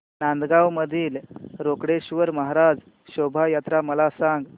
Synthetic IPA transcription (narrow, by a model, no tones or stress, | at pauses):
nand̪ɡawməd̪ʱiːlɾokɽeɕʋəɾməɦaɾad͡z | ɕobʱajat̪ɾaməlasãŋɡ